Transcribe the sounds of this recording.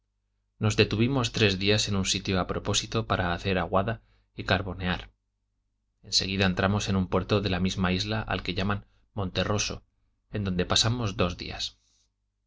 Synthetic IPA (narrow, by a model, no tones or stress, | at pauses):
no̞zðe̞t̪uβimo̞st̪ɾe̞zðiase̞nunsit̪joapɾo̞po̞sit̪opaɾaːθe̞ɾaɣwaða | ikaɾβo̞ne̞aɾ | e̞nse̞ɣ̞iðae̞nt̪ɾamo̞se̞numpwe̞ɾt̪o̞ðe̞lamizmaizlaʔa̰lke̞ʝaman | mõ̞nt̪e̞ro̞so̞̰ | e̞nd̪o̞nd̪e̞pasamo̞zðo̞zðḭa̰s